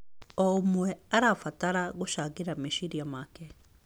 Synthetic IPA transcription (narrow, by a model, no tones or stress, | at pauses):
ɔomwɛaɾafataɾaɣoʃaːkeɾameʃiɾiamakɛ